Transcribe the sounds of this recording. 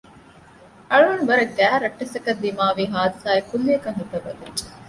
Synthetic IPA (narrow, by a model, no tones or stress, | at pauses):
ʔɐɭuɐnbɐɾɐɡæːɾɐʈːɐsɐkɐd̪ːimaːʋiːɦaːd̪ɐsaːekːunːekɐŋɦut̪ːɐʋɐd̪ud͡ʒe̥